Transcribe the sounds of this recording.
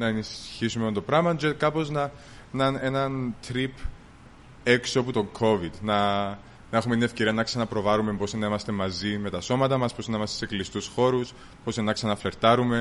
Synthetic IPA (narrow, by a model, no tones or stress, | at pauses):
nɐenisçisumeont̪o̞pɾɐmɐnd͡ʒet̪̚kɐpo̞znɐ | nɐne̞nɐnt̪ɾip | eksoput̪o̞ŋkʰo̞vid̪nɐ | nɐe̞xumeninefce̞ɾiɐnɐksɐnɐpɾo̞vɐɾumemposenːɐimɐst̪e̞mɐzime̞t̪ɐso̞mɐt̪ɐmɐsposinːɐimɐst̪ese̞klist̪usxo̞ɾus | po̞senːɐksɐnɐfle̞ɾt̪ɐɾume̞